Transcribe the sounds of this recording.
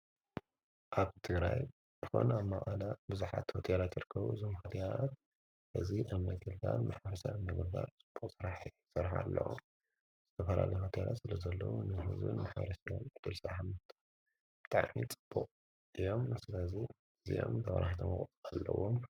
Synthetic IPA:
ʔaβt̪ʰɨɡɾaj | zɨxo̞̰nuamːaχʼalabɨzuħa̰t̪ho̞t̪ʰelat̪ʰɨɾɨkʰːɐβṵzɨmhat̪ʰiat̪ | ʔɨziʔaβmɐɡɨld̪anmaħɐɾsamːɐɡd̪at͡sʼɨb̥ːuqʼsɨɾaħi | sɨɾħa̰lːɐ̰wo̰m | z̥ɨt̪ʰɐfɐlalɐjɦot̪ʰelat̪sɨlɐzɐlːɐwunɨɦɨzbɨ̰nmaħɐ̰ɾɐsjomʕɨd̪̥ɨlsɨɾaħamːɐft̪ʰʼa | b̥ɨ̥t̪ʼaʕnit͡sʼɨb̥ːuqʼ | ɨjo̞mːɨslazi | ɨzijomt̪ʰɐʔɐɾaht̪ʰɐmɨχʼt̪ʼalːɐwom

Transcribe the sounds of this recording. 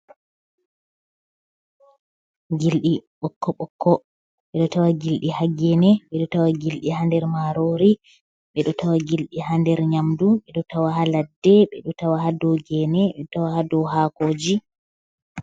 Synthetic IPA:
ɡilɗiɓɔkːɔɓɔkʰːɔ | ɓɛɗɔtawaɡilɗihaɡɛnɛɓɛɗɔtawaɡilɗiɦandɛɾmaɾoɾi | ɓɛɗɔtawaɡilɗiɦandɛɾɲamduɓɛɗɔtawahaladːɛɓɛɗɔtawahadɔɡɛnɛɓɛɗɔtawahadɔɦakoːd͡ʒi

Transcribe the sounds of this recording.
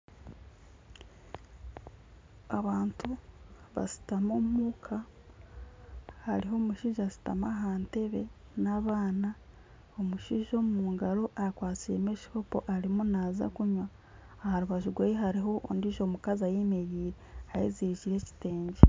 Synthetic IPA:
aβaːntu | βa̰si̥tamomuːkʰa | ha̰ɾiɦo̞ːmuʃiʒasi̥ta̰maɦaːnte̞βe̞ | naβaːna | omuʃiʒo̞ːmumuːŋɡaɾo̞ʔakwaːt͡siɾe̞meʃi̥kopo̞̰ʔaɾimunaːza̰kuɲwaː | haɾuβaʒuɡwejeɦaɾiɦo̞ʔo̰ndiʃo̞ːmukazajemejiːɾehajiziɾiciɾe̞ci̥te̞ːɲɟe

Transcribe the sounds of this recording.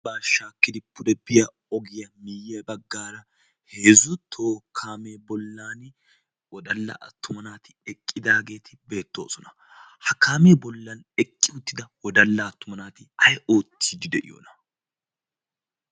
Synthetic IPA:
baːʃaːkːɪd̪ɪpːʊd̪ɛbɪjɐ | ɔɡɪjɐmɪːjebɐɡːaːɾɐ | heːzʊt̪ʰːo̞ːkʰːaːmeːbɔlːaːn | wɔd̪ɐlːɐ̰ʔɐ̰t̪ːʊmɐnaːt̪ɪɛkʼːɪd̪aːɡe̞ːt̪ɪbe̞ːt̪ːo̞ːsɔnɐ | hɐkːaːmeːbɔlːɐnɛkʼːɪʊt̪ːɪd̪ɐwɔd̪ɐlːɐːt̪ːʊmɐnaːt̪ɪɐjo̞ːt̪ʰːiːd̪ɪd̪ɛʔɪ̰jo̰ːnɐ

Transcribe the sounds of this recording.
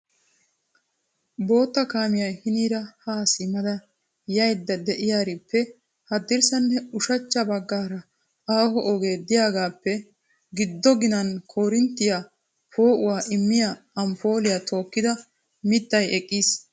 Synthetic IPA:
bo̞ːt̪ːɐkaːmɪjɐjhɪniːɾɐhaːsɪmɐd̪ɐ | jɐjd̪ːɐd̪ɛʔɪjaːɾɪpːɛ | hɐd̪ɪɾsɐnːɛʊʃɐt͡ʃːɐbɐɡːaːɾɐ | aːhɔʔɔɡe̞ːd̪ɪjaːɡaːpːɛ | ɡɪd̪ːɔɡɪnɐnkʰoːɾɪnt̪ːɪja | pʰo̞ːʔʊwaːʔɪmːɪjaː | ɐmpo̞ːlɪjaːt̪ʰo̞ːkːɪd̪ɐ | mɪt̪ːɐjɛkʼːiːs

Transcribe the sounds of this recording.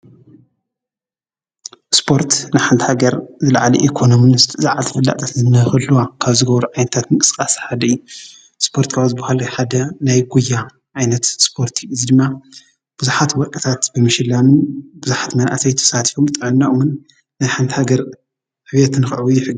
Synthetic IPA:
spʰo̞ɾt̪najħand̪haɡɐɾzɨla̰ʕalḭʔikʰo̞nominɨst̪ʰʼɨzaʕalt̪ʰɨfɨlːa̰ʔt̪ʼʰat̪zɨmɨnɐhxɐlːuwakʰaβzɨɡɐβɾuʕajnɐt̪ʰat̪mɨkʼɨ̥skʼasħad̪ɐɨjːu | spʰo̞ɾt̪kʰaβzɨbahalħad̪ɐnajɡujːa | ʕajnɐt̪spʰo̞ɾt̪ʰiɨzid̪ɨmːa | b̥ɨzuħat̪wɔkʼɐt̪ʰat̪bɨmɨʃɪlːamɨnbɨzuħḁt̪mɐnʔa̰sʰɐjt̪ʰɐ̥sat̪ʰi̥fomt̪ʼɨʕɨnːaʔomɨn | najħand̪haɡɐɾ | ħɨβɐt̪nɨxɨʕwujɪħɨɡːi

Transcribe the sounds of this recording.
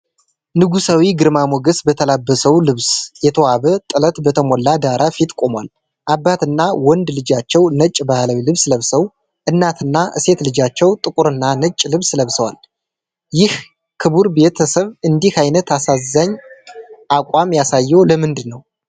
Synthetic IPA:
nɨɡusawiɡɨɾmamoɡəsbət̪ʰəlabːəsəwlɨβsjɛt̪ʰəwaβət̪ʼɨlət̪bət̪ʰəmɔlːad̪aɾafit̪kʼomwa̰l | ʔabːat̪ɨnːawɔnd̪lɨd͡ʒat͡ʃːɛwnət͡ʃʼbahlawilɨβsləβsəw | ʔɨnːat̪ʰɨnːaʔɨ̰se̞t̪lɨd͡ʒat͡ʃːɛwt̪ʼɨkʼuɾɨnːanɨt͡ʃʼːlɨβsləβsəwa̰l | jɪh | kʰɨβuɾbe̞t̪ʰəsəβɨnd̪ihajnət̪asazːaɲː | ʔakʷʼamjasajːɛwləmɨnd̪ɨnːəw

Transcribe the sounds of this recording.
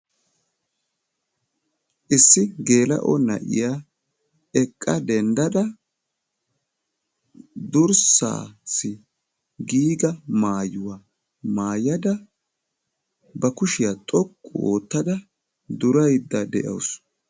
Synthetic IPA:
ʔɪsːɪɡe̞ːlɐ̰ʔɔ̰nɐ̰ʔɪ̰jaː | ɛkʼːɐd̪ɛnd̪ɐd̪ɐ | d̪ʊɾsa̰ːsɪ | ɡiːɡɐmaːjʊwa | maːjɐd̪ɐ | bɐkʊʃɪjat̪ʼɔkʼːʊoːt̪ːɐd̪ɐ | d̪ʊɾɐjd̪ːɐd̪ɛʔɐ̰ws

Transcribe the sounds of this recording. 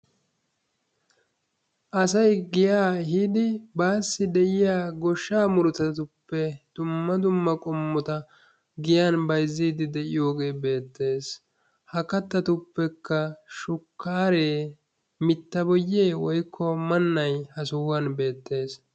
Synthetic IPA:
ʔɐsɐjɡɪjaːɦɪd̪ɪbaːsːɪd̪ɛʔɪjaːɡɔʃːaːmʊɾʊt̪ɐt̪ʊpːɛd̪̥ʊmːɐd̪ʊmːɐkʼɔmːɔt̪ɐ | ɡɪjanbɐjzːiːd̪ɪd̪ɛʔɪjo̞ːɡe̞ːbe̞ːt̪ːe̞ːs | hɐkɐt̪ːɐt̪ʊpːɛkːɐʃʊkːaːɾeː | mɪt̪ːɐbɔjːeːwɔjkʰːɔmɐnːɐjhɐsʊːwɐnbe̞ːt̪ːe̞ːs

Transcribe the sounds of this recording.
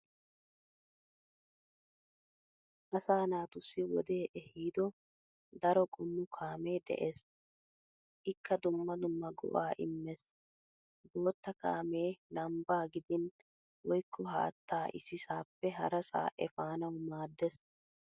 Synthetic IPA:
ʔɐsaːnaːt̪ʊsːɪwɔ̰d̪e̞ːʔɛhiːd̪ɔ | d̪ɐɾɔkʼʊnːʊkʰaːme̞ːd̪ɛ̰ʔeːs | ʔɪkːɐd̪ʊmːɐd̪ʊmːɐɡɔ̰ʔaːʔɪ̰mːes | boːt̪ːɐka̰ːme̞ːlɐmbaːɡɪd̪ɪn | wɔjkʰːɔɦa̰ːt̪ːaːʔɪ̰sɪsaːpːɛɦɐ̰ɾɐsa̰ːʔɛfaːnɐwmaːd̪ːɛs

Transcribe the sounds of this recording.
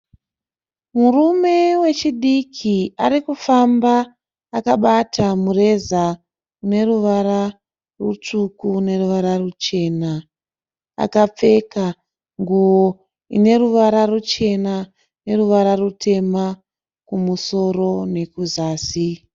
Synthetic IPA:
murume̞we̞t͡ʃiɗikʰiaɾikufambaː | kaɓatʰamure̞za | une̞ruʋaɾa | rut͡ʂukune̞ruʋaɾarut͡ʃe̞ːna | a̰kap͡fe̞ka | ŋɡuʋo | ḭne̞ruʋaɾarut͡ʃe̞na | ne̞ruʋaɾarutʰe̞ma | kumuso̞ro̞ne̞kuzaːsi

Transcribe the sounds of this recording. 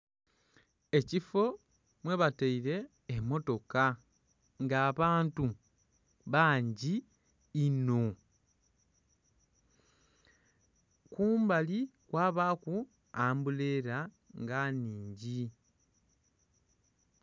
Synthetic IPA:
e̞cifo̞ | mwe̞βataiɾe̞ː | mːo̞to̞ka | ŋɡaːβaːntu | βaːɲɟiː | no̞ | kuːmbalikwaːβaku | aːmbuleɾa | ŋɡaniːɲɟi

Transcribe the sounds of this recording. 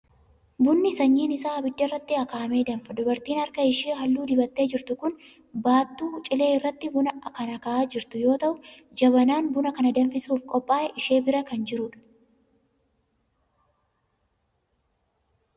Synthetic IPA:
bʊnːɪsɐɲːiːnɪsaːbɪd̪ːɐrːɐt̪ːɪɐkaːɐme̞ːd̪ɐnfɐd̪ʊbɐɾt̪iːnɐɾkɐɪʃeːɦɐlːuːd̪ɪbɐt̪ːe̞ːd͡ʒɪɾt̪ʊkʊn | baːt̪ːuːt͡ʃʼɪle̞ːɪrːɐt̪ːɪbʊnɐkɐnɐkɐʔaːd͡ʒɪɾt̪ʊjo̞ːt̪ɐʔʊ | d͡ʒɐbɐnaːnbʊnɐkɐnɐd̪ɐnfɪsuːfkʼɔpʼːaːɛʔɪʃe̞ːbɪɾɐkɐnd͡ʒɪɾʊᶑɐ̥

